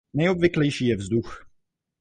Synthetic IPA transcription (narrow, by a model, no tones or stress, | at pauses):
nɛjobvɪklɛjʃiːjɛvzdux